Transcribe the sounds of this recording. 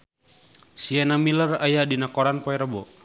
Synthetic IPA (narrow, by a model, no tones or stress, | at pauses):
siɛnamilərajadinakɔɾanpɔɛɾəbɔ